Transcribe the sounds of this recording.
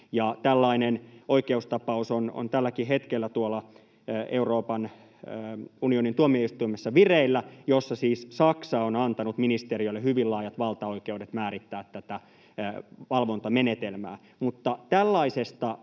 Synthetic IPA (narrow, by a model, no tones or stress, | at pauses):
jɑt̪ælːɑinenoikeust̪ɑpɑusono̰nt̪ælːækiɦet̪kelːæt̪uolːɑ | euroːpɑnː | unionint̪uomieist̪uimesːɑʋireilːæjosːɑsiːssɑksɑːonɑnt̪ɑnut̪minist̪eriøilːehyʋilːɑːjɑt̪ʋɑlt̪ɑo̞ikeudet̪mæːɾit̪ːæːt̪tːæt̪æ | ʋɑlʋo̞nt̪ɑmenet̪elmæ̰ː | mut̪ːɑt̪ælːɑisest̪ɑ